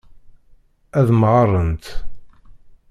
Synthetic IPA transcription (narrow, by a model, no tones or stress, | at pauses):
æðmʁərˤənt̪